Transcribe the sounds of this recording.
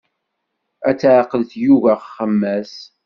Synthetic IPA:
æt͡sːʕqəlθjuvæχːəmːæs

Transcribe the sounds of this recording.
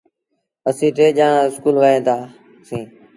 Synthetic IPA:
əsĩːʈʰeːʄaːɳãːɪskuːlʋəɦẽːt̪aː | sĩː

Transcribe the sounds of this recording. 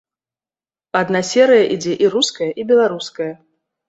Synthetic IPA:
ad̪nasʲɛɾɨjɐʔid͡zʲɛʔiɾuskɐjɐʔibʲɛlˠaɾuskɐjɐ

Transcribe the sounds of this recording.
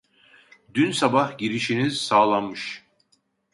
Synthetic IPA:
d̪ynsabahɟiɾiʃinizsaːlˠanmɯʃ

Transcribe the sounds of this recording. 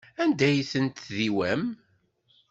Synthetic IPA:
ænd̪æjθənt̪ðiwæm

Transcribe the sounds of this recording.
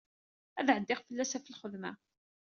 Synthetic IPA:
æðʕəd̪ːɪχfəlːæsæfəlχəðmæ̰

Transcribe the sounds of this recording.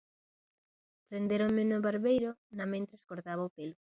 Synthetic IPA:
pɾend̪eɾoŋmɪnoβaɾβejɾʊnɐmẽnt̪ɾeskoɾt̪aβaopelʊ

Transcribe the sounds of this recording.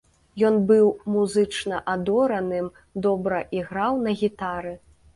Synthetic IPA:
jɔnbɨwmuzɨt͡ʂnɐʔad̪ɔɾɐnɨm | d̪ɔbɾɐʔiɣɾawnɐɣʲit̪aɾɨ

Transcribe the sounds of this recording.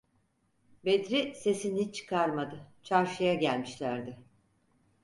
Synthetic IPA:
bed̪ɾise̞sinit͡ʃʰɯ̥kʰaɾmad̪ɯt͡ʃʰaɾʃɯjaɟælʲmiʃlʲæɾd̪ɪ

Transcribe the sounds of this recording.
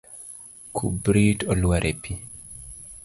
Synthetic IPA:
kʰṵbɾitɔlwaɾʔepʰi

